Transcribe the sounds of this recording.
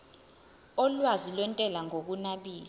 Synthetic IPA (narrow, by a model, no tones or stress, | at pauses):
ɔlwazilwɛntʼɛlaŋok̬unaɓiːli